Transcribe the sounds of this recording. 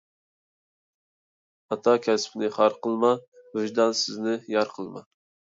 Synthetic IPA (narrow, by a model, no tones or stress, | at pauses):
ɑt̪ʰɑkʲʰɛspʰɪnɪχɑɾqəlˠmɑhʊd͡ʒd̪ɑnsɪznɪjɑɾqʰəlˠmɑ̰